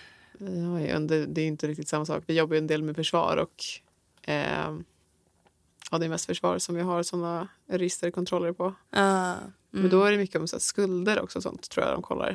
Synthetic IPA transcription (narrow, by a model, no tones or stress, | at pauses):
jajɵ̰nd̪ɛd̪ɛæːjʏʏnt̪əɾɪk̚t̪ɪt̪samːasɑ̰ːkvɪjɔbːajʉɛnd̪eːlmɛfœʂvɑ̰ːɾɔ̰k | ɑd̪ɛmɛst̪fœʂvɑ̰ːɾsɔmvɪɦaɾsɔnːa | ɾɪst̪əɾkʰɔnt̪ɾɔlːəɾpʰɔ | mmɛnd̪ɔæɖɛmʏkːəɔmsaskɵld̪əɾɔ̰ksɔsɔ̰nt̪ʰːɾuːja̰d̪ɔ̰mkʰɔlːa̰ɾ